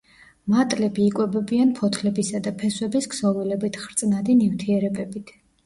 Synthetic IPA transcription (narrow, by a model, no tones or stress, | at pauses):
mat̪ʼlɛbiːkʼwɛbɛbianpʰɔt̪ʰlɛbisad̪apʰɛswɛbisɡsɔvilɛbit̪ʰχɾt̪sʼnad̪inift̪ʰiɛɾɛbɛbit̪ʰ